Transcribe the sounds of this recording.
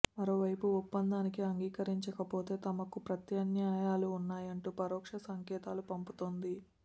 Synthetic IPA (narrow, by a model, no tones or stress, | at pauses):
mɐɾo̞ːʋɐjpuːpːɐnd̪aːnikiɐŋɡiːkɐɾiɲt͡ʃɐkɐpo̞ːt̪e̞ːt̪ɐmɐkupɾɐt̪jɐnjaːjaːluːnːaːjɐɳʈuːpɐɾɔːkʂɐsɐŋkɛːt̪aːlupɐmput̪ond̪i